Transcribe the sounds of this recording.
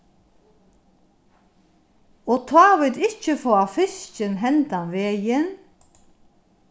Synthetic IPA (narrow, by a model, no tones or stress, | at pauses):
oːt̪ʰwɑːʋɪd̪ɪc͡çəfoːɑfɪst͡ʃənɦɛnt̪ɑnʋeːjən